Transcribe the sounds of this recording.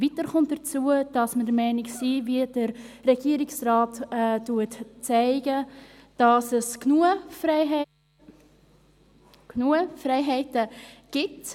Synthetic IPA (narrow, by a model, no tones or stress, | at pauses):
vitəɾχʊnt̚d̥ət͡suəd̥ɑsmədəɾmɛɪnɪksiːviədəɾrɛɡiəɾɪksrɑːtɛtuətt͡sɛɪɡə | d̥ɑsəsknuf | knufrɛɪɦɛɪtəɡ̥ɪt